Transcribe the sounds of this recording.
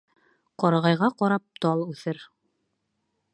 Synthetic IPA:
qɒɾɑʁɑjʁɑqɒɾɑp̚t̪ɑlˠʉθɘɾ

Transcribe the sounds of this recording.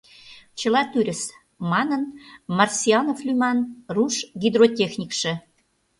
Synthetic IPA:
t͡ɕə̆lɑt̪yɾʲə̆s | mɑnənmɑrsʲiɑnoflʲymɑnruʃɡid̪rotʲexnʲikʃĕ

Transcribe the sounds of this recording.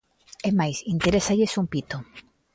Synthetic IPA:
emajsint̪eɾesaʎesumpit̪o

